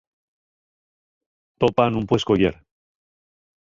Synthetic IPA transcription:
t̪opanumpweskojḛɾ

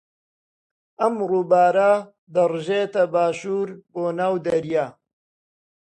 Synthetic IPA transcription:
ʔɐmruːbaːɾa | d̪ɐrʒeːt̪ɐbaːʃuːɾboːnaːwd̪ɐɾjaː

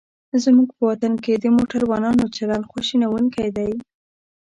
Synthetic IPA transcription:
zmuɡ̚pəwat̪anked̪əmoʈaɾwɑnɑnot͡ʃaɾɑlxuʃinawuŋkajd̪aj

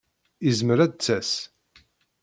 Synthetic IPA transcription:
izməɾæd̪̚t͡sːæs

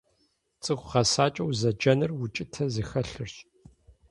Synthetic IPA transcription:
t͡sʼɨxʷʁɐsaːt͡ʃʼɐwzɐd͡ʒɐnɨrwʊt͡ʃʼɪtʰɐzɨxɐɬɨrɕ

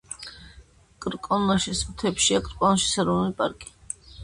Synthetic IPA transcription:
kʼɾkʼɔnɔʃismt̪ʰɛpʃiakʼɾkʼɔnɔʃi̥saɾɔnulipʼaɾkʼi̥

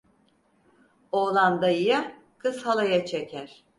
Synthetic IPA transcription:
oːlˠand̪aija | kʰɯshalˠajat͡ʃʰecʰæɾ̥

